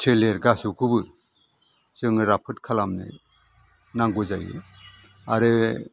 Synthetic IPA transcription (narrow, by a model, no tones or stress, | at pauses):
tʰeleɾɡasukʰubɯ | sɯŋɯɾapʰɯt̚kʰalamnɯ̰ | naŋɡuzajɯ̰ | aɾɯ